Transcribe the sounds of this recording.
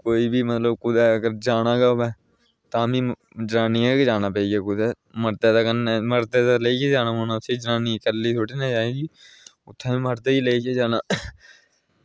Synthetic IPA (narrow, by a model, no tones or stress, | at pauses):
koːiːbiːmət̪ləbkʊd̪ɛːəɡəɾd͡ʒaːnãːɡaːoʋɛː | t̪ãːmĩː | d͡ʒɾaːniːãːked͡ʒaːnaːpəiːɡaːkʊd̪ɛː | məɾt̪eːt̪aːkənːɛːməɾt̪eːt̪aləiːkeːd͡ʒaːnãːmõːnaːt̪ʰːeːd͡ʒɾaːniːkəlːiːt̪ʰoːʈiːnaːd͡ʒaːeːɡiː | ʊt̪ʰːãːĩːməɾt̪eːiːleikeːd͡ʒaːnaː